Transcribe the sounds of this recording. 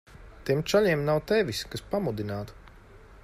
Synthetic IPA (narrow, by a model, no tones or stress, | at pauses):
t̪iɛmt͡ʃaʎiɛmnawt̪ɛʋiskaspamud̪inaːt̪